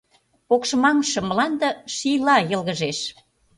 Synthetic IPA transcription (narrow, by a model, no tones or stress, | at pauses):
pokʃmɑŋʃɤ̆məlɑnd̪ə̆ʃijlɑjə̆lɣə̆ʒeʃ